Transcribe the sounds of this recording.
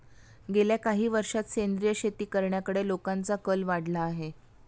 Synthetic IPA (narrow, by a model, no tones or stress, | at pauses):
ɡeljakaɦiːʋəɾʂat̪ɕend̪ɾijəɕet̪iːkəɾɳjakəɽelokãnt͡sakəlʋaɽ̤laːɦe